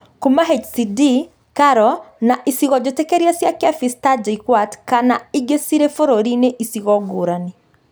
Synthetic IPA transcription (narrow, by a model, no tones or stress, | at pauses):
kumaɦet͡ʃsidi | kaɾɔnaʔisiɣɔd͡ʒotekeɾiasjakeafistad͡ʒeikwatkanaiɡesiɾefoɾoɾineʔisiɣɔɡoːɾane